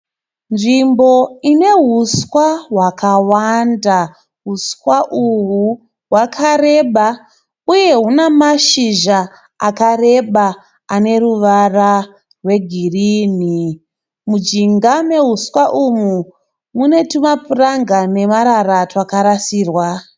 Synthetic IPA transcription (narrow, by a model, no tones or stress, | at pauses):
nʐimbo̞ine̞ɦuskwaɦwakawanda | ɦuskwaʔuɦu | ɦwakʰare̞ɓa | uje̞ɦunamaʃiʒa | akare̞ɓa | ane̞ruʋara | rwe̞ɡʱirini | mud͡ʒiŋɡame̞ɦuswaʔumu | mune̞tumapuraŋɡane̞maɾaratwakaɾasiːrwa